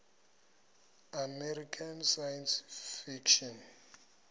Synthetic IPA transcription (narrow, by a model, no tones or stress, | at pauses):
amɛrikʰansajɛnsfikʃɔn